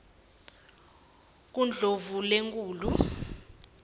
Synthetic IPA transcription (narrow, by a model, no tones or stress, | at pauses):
k̬und͡ɮʱovuleŋkʼuːlu